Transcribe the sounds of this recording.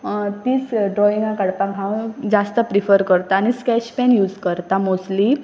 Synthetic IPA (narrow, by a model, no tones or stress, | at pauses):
t̪iːsɖɾɔiŋɡãkəɽpãkɦãwd͡zast̪əpɾifəɾkəɾt̪aːñiskɛɕpɛnjuːd͡zkəɾt̪amosʈli